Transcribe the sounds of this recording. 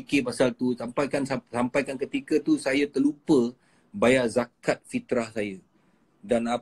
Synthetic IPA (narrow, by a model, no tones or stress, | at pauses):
kepasalt̪usampajkansasampajkankət̪ikət̪usajat̪əlupə | bajaʔzakat̪̚fit̪ɾahsajə | dana